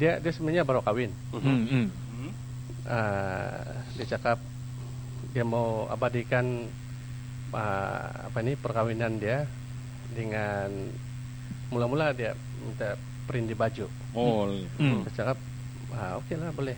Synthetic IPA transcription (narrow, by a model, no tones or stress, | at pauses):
diadiasəbənaɲabaɾwakawɪn | m̩ | ə | diat͡ʃakap̚ | diamaa̰badikan | ə̰a̰painipərkawinandia | dəŋan | mulamuladia | mit̪a | pəɾindibad͡ʒu | o | dit͡ʃakap̚ | əokelabolɛh